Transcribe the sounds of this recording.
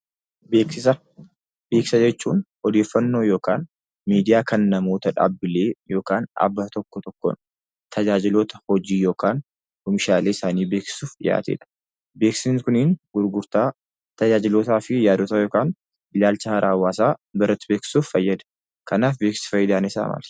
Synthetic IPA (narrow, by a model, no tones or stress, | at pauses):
beːkɪsɐ | be̞ːksɐd͡ʒɛt͡ʃːṵːn | ɔd̪e̞ːfːɐnːo̞ːjo̞ːkaːn | miːd̪ɪjaːkʰɐnːɐmo̞ːt̪ɐᶑa̰ːbːɪle̞ːjo̞ːkaːnʔɐ̰bːat̪ɔkːɔt̪ɔkːɔ̰n | t̪ʰɐd͡ʒaːd͡ʒɪlot̪ɐ̥hɔd͡ʒiːjo̞ːkaːn | hɔmɪʃaːleːɪsaːniːbe̞ːksɪ̥suːfɪja̰ːt̪ḛːᶑɐ̥ | be̞ːksɪkʊniːnɡ̥ʊɾɡʊɾt̪aː | t̪ɐd͡ʒaːd͡ʒɪlot̪aːfɪjaːd̪oːt̪aːjoːkaːn | ʔɪlaːlt͡ʃɐhɐɾʔaːwːaːsaːbɐɾɐt̪ːɪbe̞ːksɪ̥suːffɐjːɐd̪ɐ̥ | kɐnaːfbeːksɐ̥fɐjːɪd̪aːnɪsa̰ːma̰ːl̥